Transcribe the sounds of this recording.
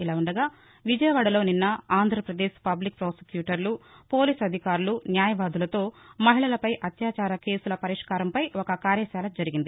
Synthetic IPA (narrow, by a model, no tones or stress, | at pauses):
ilaːuɳɖɐɡaː | ʋid͡ʒɐjɐʋaːɽɐlo̞ːninːɐaːnd̪ʱɾɐpɾɐd̪ɛːʃpɐblik̚pɾoːse̥kjuːʈɐɾlupo̞ːliːsɐd̪ʱikaːɾulunjaːjɐʋaːd̪ulɐt̪o̞ːmɐɦiɭɐlɐpɐjʔɐt̪jaːt͡ʃaːɾɐke̞ːsulɐpɐɾiʂkaːɾɐmpɐjɔkɐkaːɾjɐʃaːlɐd͡ʒɐɾiɡind̪i